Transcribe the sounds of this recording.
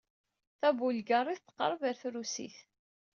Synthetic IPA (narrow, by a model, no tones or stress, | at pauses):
θævulɡərˤiθt̪ːə̥qːə̰ɾˤəvəɾθɾusḭθ